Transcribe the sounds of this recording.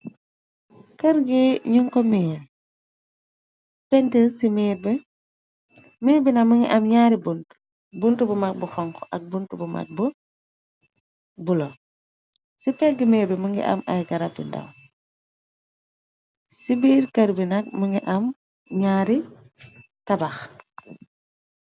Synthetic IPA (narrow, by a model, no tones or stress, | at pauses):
kɐɾɡiɲuŋkɔmiː | pɛntilsimiːɾ̚bɛ | miːɾbinamuŋɡḭʔɐmɲaːɾibunt | buntubumak̚buxɔŋkɔʔak̚buntubuma̰k̚bu | bulɔ | sipɛɡimɛːɾbɛmuŋɡḭʔa̰mʔa̰jɡɐɾab̚ḭnda̰w | sibiɾkɐɾbinɐk̚muŋɡiʔɐm | ɲaːɾi | tɐbax